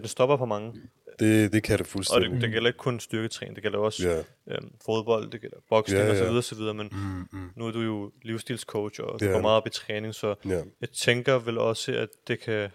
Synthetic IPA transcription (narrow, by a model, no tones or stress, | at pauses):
d̥ensd̥ɒ̽b̥ɐpʰɒ̽mɑ̈ŋə | d̥ed̥ekʰæɾ̥efulsɒ̽d̥ed̥e̝ɡ̥el̰ɐe̝ɡ̥əkʰɔ̽nsd̥yɐɡ̥ət͡sʰʁɛ̰ːnd̥e̝ɡ̥el̰ɐjoɒ̽s | ømfo̝ð̞ˠb̥ɒ̽l̰d̥e̝ɡ̥el̰ɐb̥ɒ̽ɡ̥seŋɒsɒʋiðˠɐɒsɒʋið̞ˠɐːmennuæd̥ujo̝liʊsd̥ḭːlskʰoʊ̥ɒduɡɒmɑ̈ːð̩ˠɒ̽b̥it͡sʰʁɛːne̝ŋsɒ̽jɑ̈ɪt͡sʰeŋɡ̥ɐʋelɒ̽səæd̥e̝kʰæ